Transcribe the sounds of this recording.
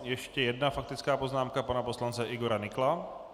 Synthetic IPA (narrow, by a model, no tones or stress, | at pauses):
jɛʃcɛjɛd̪nafak̚t̪ɪt͡skaːpoznaːmkapanaposlant͡sɛʔiɡoɾanɪkla